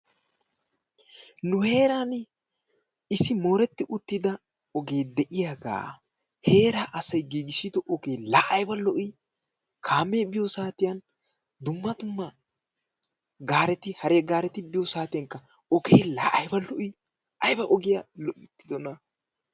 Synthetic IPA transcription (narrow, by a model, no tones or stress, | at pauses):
nʊhe̞ːɾan | ɪsɪmo̞ːɾɛt̪ːɪʔʊt̪ːɪd̪ɐ | ɔɡe̞ːd̪ɛʔɪjaːɡa̰ː | he̞ːɾaːʔɐsɐjɡiːɡɪsid̪ɔʔɔkeːlaːʔɐjbɐlɔʔi | kʰaːmːeːbɪjɔsaːt̪ɪjɐn | d̪ʊmːɐt̪ʊmːɐ | ɡaːɾɛt̪ɪhɐɾeːɡaːɾɛt̪ɪbɪjɔsaːt̪ɪjɐŋkːɐ | ɔkeːlaːʔɐjbɐlɔʔi | ʔɐjbɐʔɔɡɪjalɔʔɪt̪ːɪd̪ɔnɐ